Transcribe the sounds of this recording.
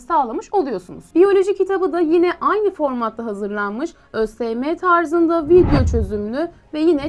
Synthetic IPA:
saːlˠamɯʃo̞lˠujo̞sunuz̥b̥ijo̞lʲo̞ʒiccit̪ʰabɯd̪ajinɛʔajnɯfo̞ɾmat̪ʰlˠaɦazɯɾlˠanmɯʃ | øst̪ʰejmɛt̪ʰaɾzɯnd̪avid̪jo̞t͡ʃʰø̞zymlʲy | vɛjinɛ

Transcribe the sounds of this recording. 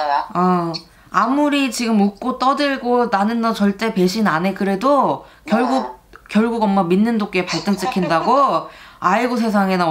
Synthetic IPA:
ʌ | amuɾit͡ɕiɡɯmuk̚k͈ot͈ʌdɯɭɡonanɯndʌt͡ɕʌɭt͈e̞pe̞ɕʰinane̞kɯɾe̞do | kjʌɭɡuk̚ | k͈jʌɭɡuɡʌmmːaminːɯndok͈epaɭt͈ɯnt͡ɕ͈ɯkʰindaɡoaiɡus̬ʰe̞sʰaŋena

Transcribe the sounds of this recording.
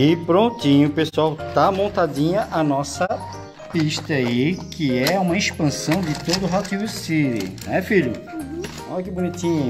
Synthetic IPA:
ɪpɾõnt̪ĩɲʊpesuawt̪amõnt̪adĩɲɐʔanɔsɐ | piʃt̪ɐikɪɛũmɐiʃpɐ̃sɐ̃w̃d͡ʒ̪ɪt̪od̪ʊɦɔkĩsiɾḭɛfiʎʊ | ɔkɪbonit̪ĩɲʊ

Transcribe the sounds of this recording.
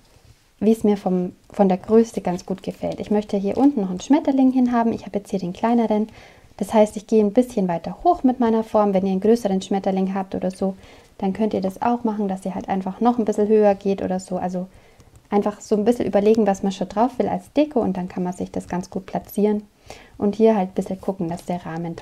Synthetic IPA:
viːsmiːɐfɔmfɔndeːɐɡʁøːstəɡ̥ant͡sɡ̥uːtɡ̥əfɛ̰ltɪçmœçtʰəɦiːɐʔʊntn̩nɔχnʃmɛtɐlɪŋhɪnɦaːbm̩ɪ̰çhaːbjɛt͡sthiːɐdeːnkʰl̥aɪnɐʁən | d̥ashaɪstɪçɡ̥eːənbɪsçənvaɪtɐhoːxmɪt̚maɪnɐfɔɐmvɛniːɐnɡʁøːsəʁənʃmɛtɐlɪŋɦaːp̚tʔo̰ːdɐzoː | d̥ankʰœntiːɐdasʔa̰ʊxmaχn̩d̥asd̥iːɐɦaltʔaɪnfaχnɔχn̩bɪsl̩ɦøːɐɡeːtʔo̰ːdɐzoːʔalzo | ʔaɪnfaχz̥oːnbɪsl̩ʔy̰ːbɐleːɡŋ̩vasmanʃoːndʁaʊfv̥ɪla̰lsd̥ɪkʰəʊ̰ntd̥ankʰanmanzɪçd̥asɡ̥ant͡sɡ̥uːt̚pʰlat͡siːʁən | ʔʊnthiːɐɦalt̚b̥ɪsl̩kʰʊkŋ̩d̥asd̥eːɐʁaːmən

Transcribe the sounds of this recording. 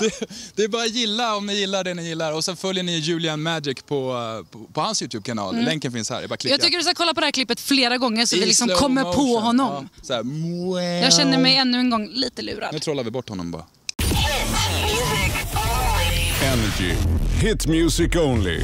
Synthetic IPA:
d̪̥ɛd̪ɛːbɑːɾajɪlːaɔmnɪjɪlːaɖɛnɪjɪlːaɾɔsɛnfœljəɳɪjʉ̟ːlɪanmæd͡ʒɪkːpʰɔpʰɔhansjʉ̟ːt̪ʰʉːb̚kʰanɑ̰ːllɛŋkənfɪnshæ̰ɾj̰bɑɾakʰlɪjɑːt̪ːʏkːəɾɪskakʰɔlːap̬ɔd̪ɛæɾkʰlɪpːət̪fleːɾaɡɔŋːəɾsɔvɪlɪksɔmkʰɔmmːəɾpʰɔɦɔnːɔmmsɔæːɾ | jɑːɡɕɛnːəmɛjɛnːɵɛnɡɔŋːliːt̪əlʉ̟ːɾa̰d̪ɛt̪ʰɾɔlːaɾvɪbɔʈːhɔnːɔ̰mbɑ̰ːɾa̰ | ɛnəd͡ʒɪ̰hɪt̪mjʉːsɪkõʊ̃nlɪ̰

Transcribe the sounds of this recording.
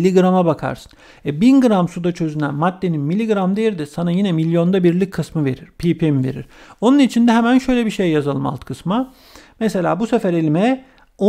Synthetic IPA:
lʲːiɡɯɾamabakʰa̰ɾsɯ̥n | ɛbinɡɯɾamsud̪at͡ʃʰø̞zynænmad̪ːe̞ninmilʲiɡɯɾamd̪ejiɾd̪isanajinɛmilʲːjo̞nd̪abiɾlʲicʰːɯsmɯve̞ɾiɾ̥pʰiːpʰemvḛɾiɾ̥o̞nunit͡ʃʰind̪ɛɦɛmænʃø̞jlʲɛbiʃejːazalˠɯma̰lˠt̪kʰɯsma | mese̞lʲa̰ːbusefæɾe̞lʲimɛ | o

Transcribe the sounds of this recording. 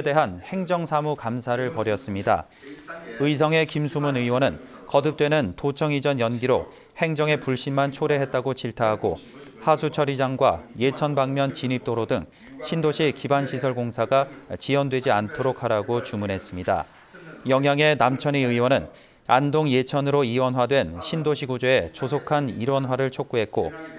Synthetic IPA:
de̞ɦanhe̞ŋd͡ʑʌŋsʰamukamsʰaɾɯɭpʌɾjʌs͈ɯmɲida̰ | ɯis̬ʰʌŋe̞kimsʰumunɯiwʌnɯnkʌdɯp̚t͈wenɯntot͡ɕʰʌŋid͡ʑʌnjʌnɡiɾo | he̞ŋd͡ʑʌŋe̞puɭɕ͈inmant͡ɕʰoɾe̞ɦe̞t̚t͈aɡot͡ɕiɭtʰaɦaɡo | hasʰut͡ɕʰʌɾid͡ʑaŋɡwa̰je̞t͡ɕʰʌnbaŋmjʌnt͡ɕinip̚t͈oɾodɯŋ | ɕʰindoɕʰikibanɕʰisʰʌɭɡoŋsʰaɡat͡ɕiʌndwe̞d͡ʑiantʰoɾokʰaɾaɡot͡ɕumunɦe̞s͈ɯmɲida̰ | jʌŋɦjaŋe̞namt͡ɕʰʌniɯiwʌnɯn | andoŋje̞t͡ɕʰʌnɯɾoiwʌnwadwe̞nɕʰindoɕʰiɡud͡ʑoe̞t͡ɕosʰokʰaniɾwʌnwaɾɯɭt͡ɕʰok͈̚uɦe̞t̚k͈o̰

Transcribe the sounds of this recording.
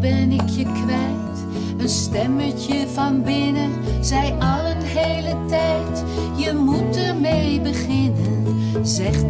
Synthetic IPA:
bɛnɪkʰjəkʋɛjt | ənstɛməɹcəvɑnbɪnə | zɛjɑlənɦejlətɛjt | jəmutəɹmejbəχɪnən | zɛχ

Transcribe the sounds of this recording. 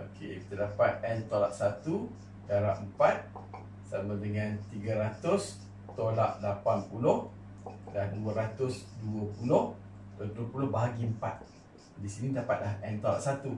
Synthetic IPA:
ʔokʰḛt̪ədapat̪̚ɛnt̪olaʔsat̪u | daɾaʔ̚m̩pat̪̚ | samadəŋãnt̪iɡaɾat̪ʊs | t̪olaʔlapanpulʊh | danduəɾat̪ʊsduəpulʊh | t̪əduəpulʊhbaɦaɡiəmpat̪̚ | disinidapat̪̚lahɛnt̪ola̰ʔsat̪u

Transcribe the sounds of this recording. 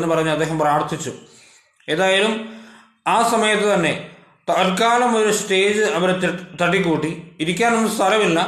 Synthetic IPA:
nːɨpɐrɐɲːulɐd̪ːe̞ːɦɐmpraːɽɐt̪ʰːit͡ɕːu | e̞ːðaːjɐlum | aːsɐmɐjɐt̪ːɨt̪ɐnːe̞ | ɐlkaːlɐmo̞ɾusʈe̞ːd͡ʑɨɐʋɐɾet̪ːt̪ɐʈːikʲːuːʈːiːɾikʲːaːnɐmɐkːst̪ʰɐlɐmilːɐ

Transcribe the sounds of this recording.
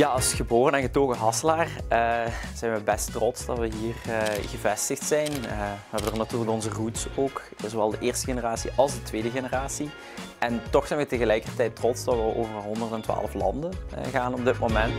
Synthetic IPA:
jaːɑlˠsɣəboːrənɛnɣətoːɣəɦɑsəlaːrəz̥ɛjnʋəbɛsttrɔtsd̥ɑtʋəɦiːrɣəvɛstəxtsɛjnəʋəɦɛbəndərnatyːrləkɔnzərutsoːk | zoʋɛlˠdəʔɪːrstəɣenəraːsḭʔɑlˠzdətʋeːdəɣenəraːsi | ʔɛntɔxzɛjnʋɛtəɣəlɛjkərtɛjtːrɔtsdɑtʋo̰ːvərɦɔndərtɛntʋa̰ːləflɑ̰ndən̰ɣaːnɔb̚dɪtmomɛnt

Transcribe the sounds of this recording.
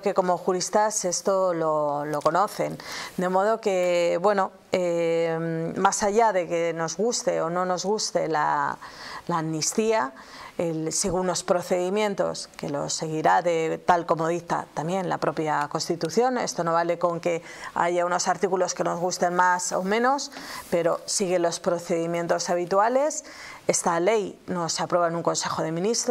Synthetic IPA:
ke̞ko̞mo̞xuɾist̪ase̞st̪o̞lo̞lo̞ko̞no̞θe̞nd̪e̞mo̞ð̞o̞ke̞βwe̞no̞ | e | masaʝaðe̞ke̞no̞zɣust̪e̞o̞no̞no̞zɣust̪e̞la | laːmnist̪ia | elsiɣuno̞spɾo̞θe̞ðimjẽ̞nt̪o̞̰ske̞lo̞̰se̞ɣ̞iɾaðe̞t̪alko̞mo̞ðit̪a̰t̪amje̞nla̰pɾo̞pjako̞nst̪it̪uθjo̞nḛst̪o̞no̞β̞ale̞ko̞ŋke̞a̰ʝauno̞saɾt̪ikulo̞ske̞no̞zɣust̪e̞nmaso̞̰mẽ̞no̞spe̞ɾo̞siɣ̞e̞nlo̞spɾo̞θe̞ðimje̞nt̪o̞saβ̞it̪uale̞s | e̞st̪ale̞jno̞seapɾwe̞βaenuŋko̞nse̞xo̞ðe̞mĩnist̪

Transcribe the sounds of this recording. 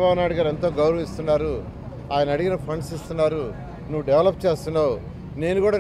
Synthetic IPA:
baːbunaːjɽuɡaːɾent̪o̞ːɡɐwɾɐʋist̪unːaːɾu | aːjɐnɐɐɽiɡinɐpʰɐɳɖsist̪unːaːɾu | nuʋːuɖɛʋlɐp̚ːt͡ʃe̞ːst̪unːaːwu | ne̞ːnuɡuːɽaː

